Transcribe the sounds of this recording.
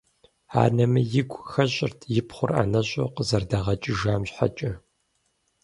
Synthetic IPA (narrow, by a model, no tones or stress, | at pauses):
a̰ːnɐmɨjɪɡʷʼxɐɕʼɪrtʰjɪpχʷʊra̰nɐɕʼo̰qəzɐrdɐʁɐt͡ʃʼɪʒaːmɕħa̰t͡ʃʼɐ